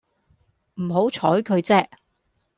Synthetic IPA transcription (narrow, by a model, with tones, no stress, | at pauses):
m̩˨˩ɦo˨˥wt͡ʃʰɔː˨˥jkʰɵ˨˧ɥt͡sɛː˥k̚